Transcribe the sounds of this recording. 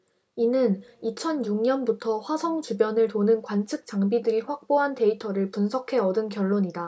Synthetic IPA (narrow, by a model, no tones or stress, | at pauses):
inɯnit͡ɕʰʌnjuŋɲʌnbutʰʌɸwasʰʌŋt͡ɕubjʌnɯɭtonɯnkwant͡ɕʰɯk̚t͡ɕ͈aŋbidɯɾiɸwak̚p͈oɦantʰe̞itʰʌɾɯɭpunsʰʌkʰe̞ʌdɯnkjʌɭːoɲida